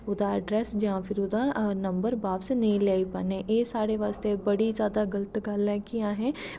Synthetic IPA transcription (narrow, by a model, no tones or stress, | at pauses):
ʊd̪aɖɾɛːsd͡ʒɐɦãfʰɪɾʊd̪anɐ̃mbəɾbaːbsenɐɦĩleːipɐneʔeːsaːɾeʋaːst̪ebɐɽizjaːd̪aɡɐlət̪ɡalɛ̃kijãɦɛ̃